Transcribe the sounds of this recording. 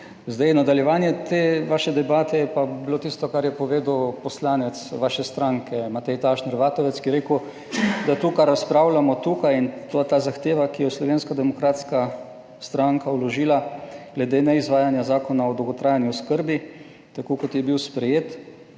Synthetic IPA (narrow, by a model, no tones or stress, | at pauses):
zd̪ajnad̪aljɛʋaːnjɛt̪eːʋaːʃɛd̪ɛbaːt̪ɛjɛpabiloːt̪ist̪ɔkaɾjɛpɔʋeːd̪uwpɔslaːnɛt̪sʋaːʃɛst̪ɾaŋkɛmat̪ɛjt̪aʃnɛɾʋaːt̪ɔʋɛt̪skijɛɾeːkʊ | d̪at̪uːkaɾaspɾawlamɔt̪uːkajint̪ot̪aːzaxt̪eːʋakijɔslɔʋeːnskad̪ɛmɔkɾaːt̪ska | st̪ɾaŋkawlɔʒiːlaɡ̥lɛd̪eːnɛizʋaːjanjazaːkɔnaɔd̪owɡɔt̪ɾaːjanjuskəɾbi | t̪akoːkɔt̪jɛbiwspɾɛjeːt̪